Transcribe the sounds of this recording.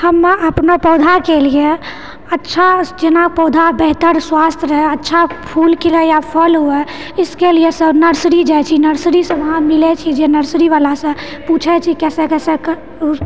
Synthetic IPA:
həmːʔəpnapɔd̪ʱakelie | ətːʃʰad͡ʒenapɔd̪ʱabəɦt̪əɾswast̪ʰɾəɦɛətːʃʰapʰulkiɾɛjapʰəlɦuɛ | ɪskeliesəbnəɾsɾid͡ʒajt͡ʃʰinəɾsɾisə̃ʋəɦãmilɛt͡ʃʰid͡ʒenəɾsɾiβalasə̃put͡ʃʰɛt͡ʃʰikɛsɛkɛsɛk

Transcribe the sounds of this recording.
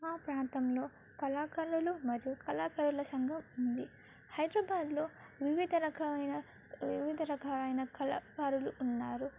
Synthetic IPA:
aːpɾaːnt̪ɐmlo̞ː | kɐlaːkɐɾulumɐɾijukɐlaːkɐɾulɐsɐŋɡʱɐmund̪i | hɐjd̪ɾɐːbaːd̪loːʋiʋid̪ʱɐɾɐkʰɐɐjnɐ | iʋid̪ʱɐɾɐkʰɐɐjnɐkɐlaːkaːɾuluʔːnːaːɾu

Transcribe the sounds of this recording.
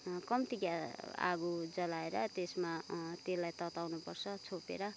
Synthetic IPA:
kʌmt̪iɡjaa̰ɡud͡zʌlaeɾʌt̪esmat̪elːajt̪ʌt̪awnupʌrt͡sʰʌt͡sʰopḛɾʌ

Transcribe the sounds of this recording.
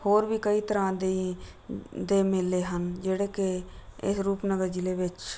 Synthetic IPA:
hoːɾbiːkəiːt̪əɾãːd̪e | d̪eːmɪlːeːɦənd͡ʒeːɽeːkeɪ̰sɾuːpnəɡəɾd͡ʒileːʋɪt͡ʃ

